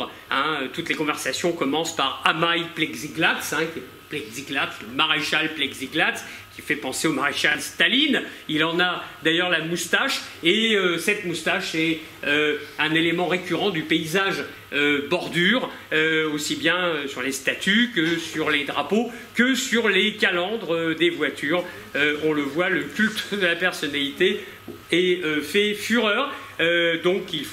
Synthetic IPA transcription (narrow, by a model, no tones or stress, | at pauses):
ɛ̃øt̪ut̪lekɔ̃vɛʁsasjɔ̃kɔmɑ̃spaʁamajplɛɡziɡlatsɛ̃kʲiɛ | plɛɡziɡlat̪sləmaʁeʃalplɛɡziɡlat̪skʲifɛpɑ̃seomaʁeʃalst̪alinilɑ̃nad̪ajœʁlamust̪aʃeøsɛt̪must̪aʃɛ | øɛ̃nelemɑ̃ʁekʲyʁɑ̃d̪ypeizaʒ | øbɔʁd̪yʁ | øosibjɛ̃øsyʁlest̪at̪ʰykəsyʁled̪ʁapo | kəsyʁlekʲalɑ̃d̪ʁəd̪evwat̪ʰyːʁ | øɔ̃ləvwaləkʲylt̪d̪əlapɛʁsɔnalit̪e | ɛøfɛfyʁœːʁ | ød̪ɔ̃kilf